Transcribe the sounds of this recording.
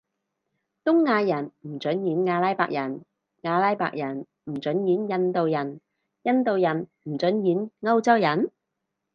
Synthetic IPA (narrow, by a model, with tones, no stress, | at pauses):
t̪ʊ˥ŋːaː˧jɐ˨˩nm̩˨˩t͡ʃɵ˨˥njiː˨˥nŋaː˧laː˥jpa̰ː˨k̚jɐ˨˩n | ŋaː˧laː˥jpa̰ː˧k̚jɐ˨˩n | m̩˨˩t͡ʃɵ˨˥njiː˨˥njɐ˧nt̪o˨wjɐ˨˩n | jɐ˧nt̪o˨wjɐ˨˩nm̩˨˩t͡ʃɵ˨˥njiː˨˥nŋɐ˥wt͡sɐ˥wjɐ˨˩n